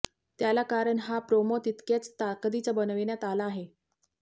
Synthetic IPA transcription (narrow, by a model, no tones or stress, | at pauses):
t̪jalakaɾəɳɦapɾomot̪it̪kjat͡st̪akd̪it͡sabənʋiɳjat̪alaːɦe